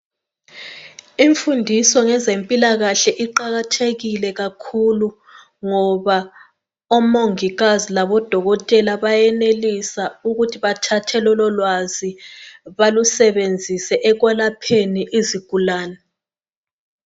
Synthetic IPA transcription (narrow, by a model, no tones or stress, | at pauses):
iɱfundʱisɔŋɛzempʼilaɣaɬɛʔiǃaɣatʰeɣilɛɣakʰulu | ŋɔβa | ɔmoŋiɣazilaβɔd̥ʱɔɣɔtʼɛlaβajɛnelisauɣutʰiβatʰatʰɛlɔlɔlwaziβalusɛβend͡zʱisɛʔɛɣwɛlapʰeniʔiziɡ̥ʱulaːnɛ